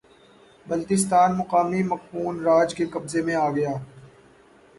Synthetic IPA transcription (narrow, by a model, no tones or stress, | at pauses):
bɐlt̪ɪst̪aːnmʊqaːmimɐqmuːnɾaːd͡ʒkekɐbzemẽaːɡɐjaː